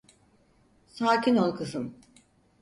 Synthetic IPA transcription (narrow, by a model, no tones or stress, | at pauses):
saːcʰinolˠkʰɯsɯm